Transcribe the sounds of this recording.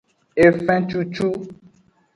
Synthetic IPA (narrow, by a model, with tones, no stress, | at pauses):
e˨fɛ̃˦t͡ʃu˦t͡ʃu˦